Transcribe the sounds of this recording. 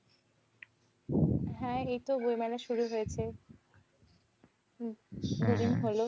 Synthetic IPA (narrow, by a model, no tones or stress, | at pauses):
ɦɛ̃ejt̪obojmɛlaʃuɾuɦojet͡ɕʰe | ɡuɾinɦolo